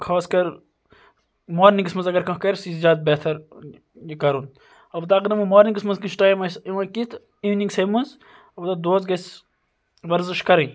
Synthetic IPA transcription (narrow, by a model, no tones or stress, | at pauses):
kʰoːskɐɾ | moːɾniŋkɨsmɐnzɐɡɐɾkɐ̃kɐɾʲsizjaːd̪̚beːt̪ʰɐɾ | jikɐɾun | ɐbt̪aːkɨnɐmɨmoːɾniŋkɨsmɐzkisʈaːjmɐsiʋɐkit̪ | iːʋniŋɡsemɐnz | ɐbt̪ɐd̪oːzɡɐs | ʋɐɾzɨʃkɐɾɐ̃j